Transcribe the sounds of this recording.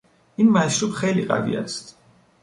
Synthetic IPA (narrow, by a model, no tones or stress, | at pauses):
inmaɛsɾupχɛliqʼa̰vḭa̰st̪